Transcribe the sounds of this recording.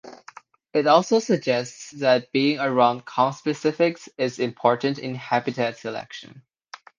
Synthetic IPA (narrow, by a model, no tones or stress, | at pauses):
ɪɾɔlˠsoʊsɨɡ̚d͡ʒɛstsðɨt̚b̥iɪ̃ŋəɹãʊ̃nd̚kʰɑ̃nspɨsɪfɪksɪzɪ̃mpʰɔɹʔn̩tɪ̰̃nhæbɨtʰætsɨlɛ̰kʃɨ̰̃n